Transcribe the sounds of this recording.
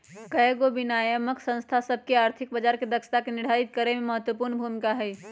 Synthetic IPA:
kəeɡobinajəməksə̃nst̪ʰasəbʱkeaːɾt̪ʰɪk̚bəd͡ʒaːɾked̪əkʃə̥t̪akenɪɽ̤ait̪̚kəɾememəɦət̪wəpuɾnbʱumikaɦɛ

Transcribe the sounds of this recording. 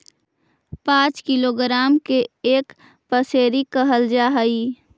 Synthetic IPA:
pãːt͡ʃkɪloɡɾaːmkeeːk | pəseːɾikəɦəld͡ʒaːɦəi

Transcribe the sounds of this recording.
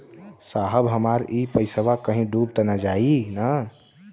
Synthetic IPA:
saɦəbɦəmaɾipəɪsəʋakəɦĩɖubt̪ənad͡ʒainə

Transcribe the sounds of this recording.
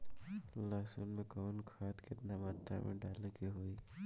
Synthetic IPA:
laːsʊnmẽkaːnkʰaːt̪kɪt̪namaːt̪ɾa̰mʔḛ̃ɖaːlkiɦoːiː

